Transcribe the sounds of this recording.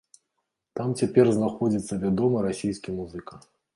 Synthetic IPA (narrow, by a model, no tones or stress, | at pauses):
t̪amt͡sʲapʲɛrznaxɔd͡zʲit̪sːɐvʲad̪ɔmɐɾasʲijskʲimuzɨka